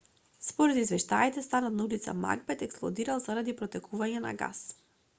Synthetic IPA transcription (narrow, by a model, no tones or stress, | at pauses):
spɔɾɛd̪izvɛʃt̪ait̪ɛst̪anat̪̚naulit̪sa̰ma̰ɡbɛt̪ɛksplˠɔ̰d̪iɾalˠzaɾad̪ipɾɔt̪ɛkʰuvaɲɛna̰ɡa̰s